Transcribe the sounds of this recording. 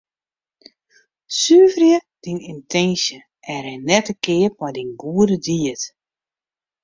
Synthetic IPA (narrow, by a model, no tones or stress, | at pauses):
syːvrjəd̥inintʰɛnsjə | ɛɾɛnːɛtəkɪːət̚mɔjdinɡuədədiət